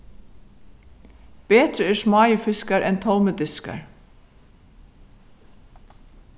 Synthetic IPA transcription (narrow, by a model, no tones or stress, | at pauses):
b̥eːt̪ɾəɛːsmɑːjəfɪskaɹʔɛnt̪ʰɔwməd̪ʏska̰ɹ